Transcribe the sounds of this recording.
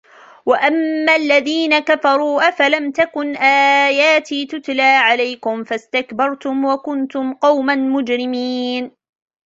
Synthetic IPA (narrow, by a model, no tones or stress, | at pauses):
waʔamːaːlːaðiːnakafɑɾˤuːʔafalamt̪akʊnʔaːjaːt̪iːt̪ʊt̪laːʕalajkʊmfast̪akbɑɾˤt̪ʊmwakʊnt̪ʊmqɑwmanmʊd͡ʒɾɪmiːn